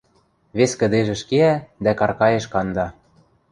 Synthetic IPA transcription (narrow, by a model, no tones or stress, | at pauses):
βeskə̆d̪eʒĕʃkeæd̪ækɑrkɑjĕʃkɑnd̪ɑ